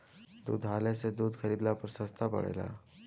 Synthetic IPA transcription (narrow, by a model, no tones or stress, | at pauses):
d̪ṵːd̪ɦaljased̪uːd̪xəɾiːd̪lapəɾsəst̪ʰapə̰ɽḛla̰